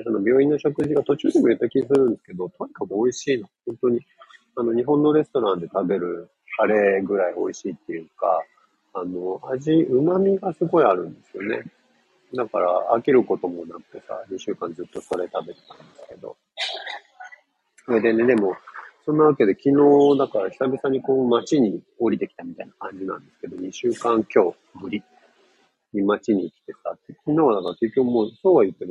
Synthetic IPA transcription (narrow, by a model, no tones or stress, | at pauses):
sono̞bʲjo̞ːĩnːoɕo̞kɯ̟ʑiɡat̪o̞t͡ɕɨːd̪emo̞jɯt̪ːakʲiis̬ɨɾɯ̟̃nd̪e̞sɨ̥ked̪o̞t̪o̞ɲ̟ikakɯ̟o̞iɕiːnohõ̞nt̪o̞ɲ̟i | ano̞ɲ̟iɦõnːo̞ɾe̞st̪o̞ɾãnd̪e̞t̪abe̞ɾɯ̟ | haɾe̞ɡɯ̟ɾaio̞̰iɕiːt̪ːe̞jɯ̟ːka̰ː | no̞aʑiɯ̟mamʲiɡasɨɡo̞iaɾɯ̟̃nd̪e̞sɨjo̞ne̞ | d̪aka̰ɾa̰ːkʲiɾɯ̟ko̞t̪o̞mo̞nakɯ̟̥t̪e̞sa̰ɲiɕɨːkãnd͡zɨt̪ːo̞so̞ɾe̞t̪abe̞t̪e̥t̪ḁ̃nd̪esɨ̥ke̞d̪o̞̰ | ed̪e̞ne̞d̪e̞mo̞sõ̞nːaβ̞ake̞d̪e̞kʲino̞ːd̪akaɾaçʲi̥sabʲisãɲ̟ːiko̞ːmat͡ɕiɲ̟i | oɾʲit̪e̞kʲi̥t̪amʲit̪ainakãɲ̟d͡ʑinã̰nd̪e̞sɨ̥ke̞d̪o̞ɲ̟iɕɨːkãŋkʲo̞ː | mɯ̟ɾʲi | ɲʲimat͡ɕiɲ̟ikʲi̥t̪e̞sa̰t̪ːekʲinoːβad̪akaɾake̞kʲːo̞kːɯmoːsoːβajɯ̟t̪ːe̞m